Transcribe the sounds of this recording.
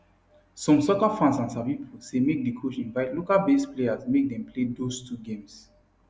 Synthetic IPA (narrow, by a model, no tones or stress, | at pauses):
sɔ̃msɔkafãnsãnsapipʰusemek̚dekʰoʃĩnvaɪtlokalbesplejasmek̚dɛ̃mpʰledostʰuɡẽms